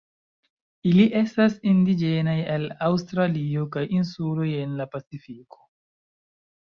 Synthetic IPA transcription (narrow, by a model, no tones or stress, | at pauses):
iliʔe̞stasindid͡ʒe̞najelawstɾaliokajinsulo̞je̞nlapat͡sifiko̥